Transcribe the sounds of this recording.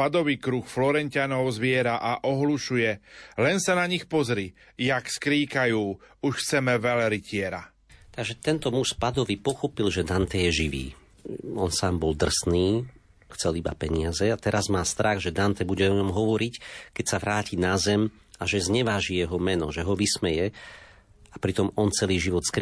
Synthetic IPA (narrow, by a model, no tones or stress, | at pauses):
pad̪ɔʋikɾuxflɔɾɛɲcɪanɔʊzʋɪɛɾaʔaʔɔɦluʃujɛlɛnsanaɲixpɔzɾi | jakskɾiːkajuːuʃxt͡sɛmɛʋɛlɾicɪɛɾa̰ | t̪aɡʒɛt̪ɛnt̪ɔmuspad̪ɔʋipɔxɔpilʒɛd̪ant̪ɛjɛʒiʋḭː | ɔnsaːmbɔld̪r̩sniː | xt͡sɛliba̰pɛɲɪazɛat̪ɛɾazmaːst̪ɾaɣʒɛd̪ant̪ɛbuɟɛɔɲɔmɦɔʋɔɾickɛcsaʋɾaːcʰinazɛm | aʒɛzɲɛʋaːʒijɛɦɔmɛnɔ̰ʒɛɦɔʋismɛjɛ | apɾit̪ɔmɔnt͡sɛliːʒiʋɔt̪skɾ